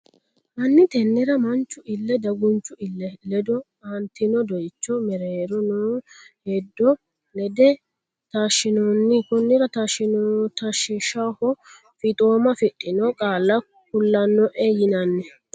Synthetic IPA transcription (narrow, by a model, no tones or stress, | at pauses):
mɐnːɪt̪ɛnːɛɾɐmɐnt͡ʃːʊʔɪlːɛd̪ɐɡʊnt͡ʃːʊɪlːɛlɛd̪ɔ | ɐnt̪ɪnɔd̪ɔjt͡ʃːɔmɛɾeːɾɔnoːhɛd̪ːɔ | lɛd̪ɛ | t̪aːʃːɪnɔnːɪkʊnːɪɾɐt̪aʃɪnt̪ɐʃɪʃahɔ | fɪt̪ʼoːmɐfɪt̪ʼːɪnɔkʼaːlːɐ | k̚ʊlːɐnːɔʔejɪnɐnːɛ